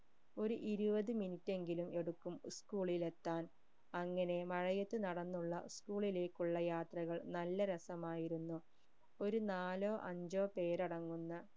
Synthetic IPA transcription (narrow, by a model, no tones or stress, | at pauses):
o̞ɾuʔiɾubɐðɨminitːe̞ŋɡilume̞ɽukːumskuːɭile̞t̪ːaːn | ɐŋːɐne̞mɐɻɐjɐt̪ːɨnɐɽɐnːuɭːɐskuːɭile̞ːkːuɭːɐjaːt̪rɐɣɐɭnɐlːɐɾɐsɐmaːjiɾunːu | o̞ɾunaːloːʔɐɲd͡ʑo̞ːpe̞ːɾɐɽɐŋːunːɐ